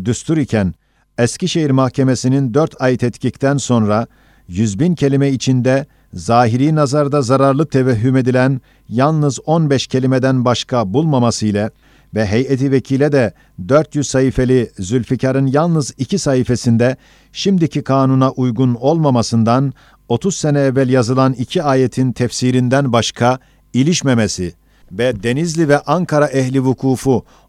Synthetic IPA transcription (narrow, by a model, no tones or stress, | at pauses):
d̪yst̪uɾicʰæn | ɛsciʃeɦiɾmahcʰe̞me̞sinind̪øɾt̪ʰajt̪ʰɛt̪cʰict̪ʰænso̞nɾa | jyzbincʰe̞lʲimɛit͡ʃʰind̪ɛ | zaːɦiɾiːnazaɾd̪azaɾaɾlˠɯt̪ʰevɛɦːyme̞d̪ilʲæn | jalˠnɯzo̞nbɛʃcʰe̞lʲimed̪ænbaʃkʰabulˠmamasɯjlʲˠa | vɛɦejɛt̪ʰivecʰiːlʲɛd̪ɛ | d̪øɾt̪jyzsahiːfe̞lʲizylʲficʰaɾɯnjalˠnɯzicʰisaɦife̞sind̪ɛ | ʃimd̪icʰikʰaːnunaʔujɡuno̞lˠmamasɯnd̪an | o̞t̪ʰuz̥senɛːvːælʲjazɯlˠanicʰiaːjet̪ʰint̪ʰɛfsiɾind̪ænbaʃkʰa | ilʲiʃmemesi | vɛd̪e̞nizlʲivɛʔaŋkʰaɾaʔɛɦlʲivukʰuːfu